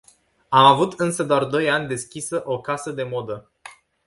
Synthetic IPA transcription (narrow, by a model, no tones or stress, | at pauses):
amavut̪ɨnsəd̪oard̪o̞janʲd̪e̞skʲisəʔo̞kasəd̪e̞mo̞d̪ə